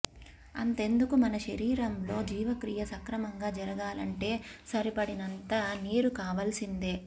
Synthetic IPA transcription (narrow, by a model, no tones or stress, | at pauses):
ɐ̰nt̪e̞nd̪ukumɐnɐʃɐɾiːɾɐmlo̞ːd͡ʒiːʋɐkɾijɐsɐŋkɾɐmɐŋɡaːd͡ʒɐɾɐɡaːlɐ̰ɳʈe̞ːsɐɾipɐɽinɐnt̪ɐniːɾukaːʋɐlsind̪eː